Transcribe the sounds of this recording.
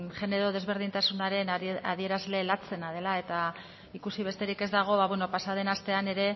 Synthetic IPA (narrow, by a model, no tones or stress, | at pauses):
ʝe̞ne̞ɾo̞ð̞e̞zβ̞e̞ɾð̞int̪asunaɾe̞na̰ðie̞ɾazle̞lat͡se̞nað̞e̞lae̞t̪a | ikusiβ̞e̞st̪e̞ɾike̞zd̪aɣ̞o̞βaβweno̞pasaðe̞nast̪e̞ane̞ɾe̞